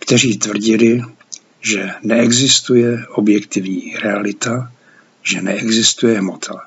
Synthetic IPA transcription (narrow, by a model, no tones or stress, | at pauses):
kt̪ɛriːt̪vr̩ɟɪlɪ | ʒɛnɛɛɡzɪst̪ujɛʔobjɛkt̪ɪvɲiːɾɛalɪt̪a | ʒɛnɛʔɛɡzɪst̪ujɛɦmot̪ʰa